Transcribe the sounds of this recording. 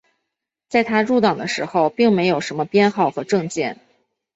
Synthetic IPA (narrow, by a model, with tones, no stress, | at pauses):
t͡sa˥˩ɪt̪ʰa˥ɻu˥˩t̪ɑ˨˩ŋd̪ə˦ʂɻ̩˧˥xo˧ʊpi˥˩ŋme˧˥ɪjo˨˩ʊʂə˧˥nmə˧pjɛ˥nxɑ˥˩ʊxɤ˧˥ʈ͡ʂɤ˥˧ŋt͡ɕjɛ˥˩n